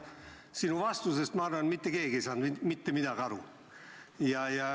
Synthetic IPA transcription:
sinuvɑst̪usest̪mɑɑrɑnet̪mit̪ːekeːɡeisɑːnimit̪ːemid̪ɑɡɑɾu | jɑjɑ

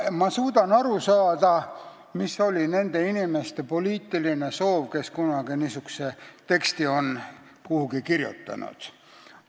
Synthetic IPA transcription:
mɑsuːd̪ɑnɑɾusɑːd̪ɑ | miso̞lʲine̞nd̪̥e̞inime̞st̪e̞po̞liːt̪ːˑiline̞so̞ːvke̞skunɑɡ̥inisykset̪e̞kst̪io̞n | kuhuɡikirjṵt̪ˑːɑ̰nṵd̪̥

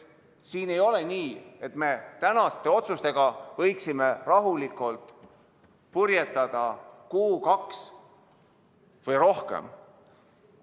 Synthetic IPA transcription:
siːne̞jo̞le̞niːe̞t̪ˑme̞t̪ænɑst̪e̞o̞t̪sust̪e̞ɡ̥ɑvɤ̞jksime̞rɑɦulikːˑult̪ | purjet̪ːˑɑd̪̥ɑkuːkɑks | vɤjɾo̞hkḛm

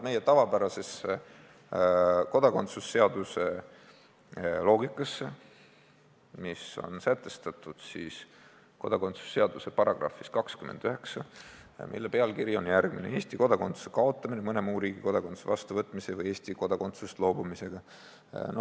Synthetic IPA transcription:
me̞jet̪ɑvɑbæɾɑse̞se | ko̞d̪̥ɑko̞nt̪susːe̞ɑd̪use̞ | lo̞ːɡikːˑɑse | miso̞̰nsæt̪ːˑe̞st̪ɑt̪ːud̪̥siːs | ko̞d̪̥ɑko̞nt̪su̥sːe̞ɑd̪use̞pɑɾɑɡ̥rɑ̰fːiskɑkskymend̪̥yhe̞ksɑmʔḭlːepe̞ɑlkiɾjo̞njærɡ̥minee̞ːsʲt̪iko̞d̪ɑko̞nt̪su̥sekɑo̞t̪ˑːɑminemɤne̞muːɾiːɡiko̞d̪ɑkosu̥sevɑst̪uvɤt̪ːˑmise̞vɤje̞ːsʲt̪iko̞d̪̥ɑko̞nt̪sust̪lo̞ːbumise̞ɡ̥ɑ | no

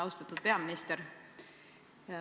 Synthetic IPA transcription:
ɑwst̪ɑt̪ud̪̥̚pe̞ɑminist̪eɾ

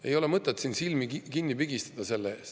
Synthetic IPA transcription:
e̞̰jo̞le̞mɤt̪ˑːet̪sinsilmikinːipyɡist̪ɑ̥d̪̥ɑse̞lːee̞ːst̪

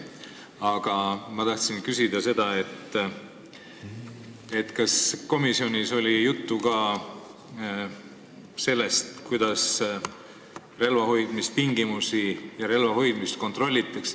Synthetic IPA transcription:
ɑɡ̥ɑmɑt̪ɑht̪sinkysid̪̥ɑse̞d̪̥ɑe̞t̪ː | e̞t̪ːkɑsko̞misio̞nʲiso̞lʲijut̪ːukɑː | se̞lːest̪kujd̪̥ɑs | re̞lvɑho̞jd̪̥mist̪p̪iŋɡimusijɑɾe̞lvɑɦo̞jd̪̥mist̪ko̞nt̪ro̞lʲːit̪ːˑɑks

